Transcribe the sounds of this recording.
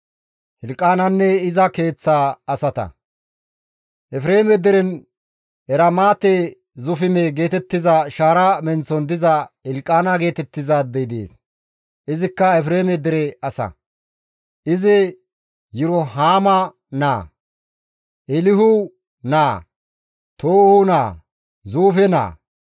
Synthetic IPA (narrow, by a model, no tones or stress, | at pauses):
hɪlkʼːaːnɐnːɛɪzɐke̞ːt͡sːaːɐsɐt̪ɐ̰ | ʔɛfɾe̞ːmɛd̪ɪɾɛn | ɛɾɐmaːt̪e | zʊfɪmeɡe̞ːt̪ɛt̪ːɪzɐʃaːɾamɛnt͡sːɔnd̪ɪzɐɪlkʼːaːnɐɡe̞ːt̪ɛt̪ːɪzad̪ɛjd̪ḛːs | ʔɪzɪkːɐɛfɾeːmɛd̪ɛɾɛɐsɐ̰ | ʔɪzɪ | jʊɾɔɦaːmɐ | na̰ː | ʔɛlɪɦʊ | naː | t̪oːhʊnaː | zuːfɛna̰ː